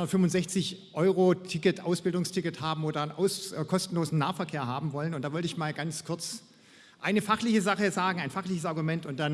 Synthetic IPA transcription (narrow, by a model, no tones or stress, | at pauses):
ʊndɐtfʏmʊnz̥ɛçt͡sɪçʔɔʏʁotʰɪkətʔa̰ʊsb̥ɪldʊŋstʰɪkəthaːbm̩oːdɐnʔa̰ʊskʰɔstn̩loːsn̩naːɐfɛɐkʰeːɐɦaːbm̩vɔlənʊntd̥aːvɔltəɪçmaːlɡant͡skʰʊɐt͡s | ʔaɪnəfaχlɪçəzaχəzaːɡŋ̩aɪnfaχlɪçəs̬ʔaɐɡumɛntʊnt̚d̥an